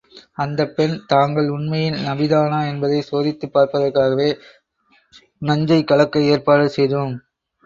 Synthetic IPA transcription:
ɐnd̪ɐpːɛnt̪aːŋɡɐɭʊɳmɐjɪnnɐbɪðaːnaːɛnbɐðɐɪsoːðɪt̪ːɯpːaːɾpɐðɐrkaːɣɐʋeː | nɐɲd͡ʒɐɪkːɐɭɐkːɐeːrpaːɽɯsɛjðom

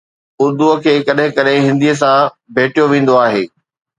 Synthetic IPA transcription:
ʊɾd̪uəkʰeːkɐɗɦɪ̃kɐɗɦɪ̃ɦɪ̃nd̪iəs̬ã | bʱeːʈijoʋẽːn̆d̪oaːɦeː

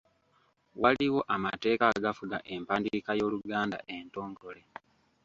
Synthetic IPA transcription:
waliwo̞ʔamate̞ːkaɡafuɡaʔe̞mpaːndikajo̞ːluɡaːnda̰ʔe̞nto̞ːŋɡo̞le̞

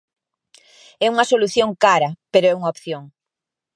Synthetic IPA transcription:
ɛuŋɐsoluθjoŋkaɾɐpeɾoɛuŋaopθjoŋ

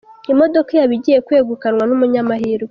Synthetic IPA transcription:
imo̞do̞kejaβiɟije̞kwe̞ːɡukanwanumuɲamaɦiɾo

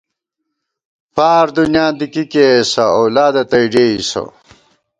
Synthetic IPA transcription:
paːɾd̪unjãːnd̪ikikesɐowlaːd̪ɐt̪ɐjɖeːisɐ̰

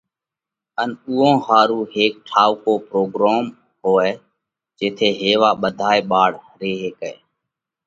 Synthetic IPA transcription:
ənuːõːhaːɾuːɦeːk̚ʈʰaːʋkoːpɾoːɡɾaːm | ɦoːeː | d͡ʒeːt̪ʰeːɦeːʋaːɓəd̪ʱaːeːɓaːɽhəɾeːɦeːkḛː

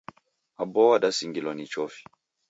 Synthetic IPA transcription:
abɔwadasiŋɡilɔnit͡ʃɔfi̥

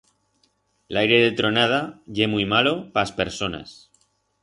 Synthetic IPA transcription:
lajɾe̞ðet̪ɾo̞nað̞aʝe̞muijmalo̞paspe̞ɾso̞na̰s

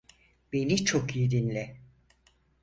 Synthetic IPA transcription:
b̥e̞nit͡ʃʰokjed̪inlʲɛ

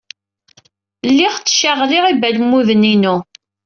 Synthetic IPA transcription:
lːiʁt͡sːʃaʁlɪʁibælmuðəninu

